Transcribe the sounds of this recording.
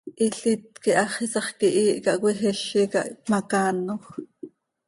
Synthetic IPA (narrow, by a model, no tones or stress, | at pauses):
ʔiɬit̪̚kiʔɑχisɑχkiʔiːʔkɑʔkwɛxɛʃikɑ̰ʔmɑkɑːnoχ